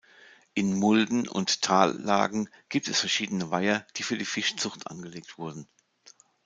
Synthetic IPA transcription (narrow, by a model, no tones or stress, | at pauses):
ʔɪnmʊldn̩ʊ̰nttʰaːlːa̰ːɡŋ̩ | ɡ̥iːp̚tɛsfɛɐʃiːdənəvaɪɐd̥iːfyːɐdiːfɪʃt͡sʊχtʔa̰nɡəleːk̚tv̥ʊɐdn̩